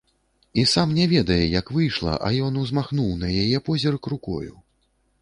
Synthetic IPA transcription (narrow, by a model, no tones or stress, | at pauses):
isamnʲɛvʲɛd̪ɐjɛjɐkvɨjʂlˠɐ̰ʔɐ̰jɔnuzmaxnuwnɐjajɛpɔzʲɛrkɾukɔ̰jṵ